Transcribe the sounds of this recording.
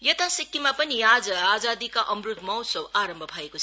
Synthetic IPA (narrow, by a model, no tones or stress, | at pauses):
jʌt̪asikːimapʌniad͡zʌad͡zad̪ikaʔʌmɾut̪mʌwsʌwaɾʌmbʱʌpʰaekot͡sʰ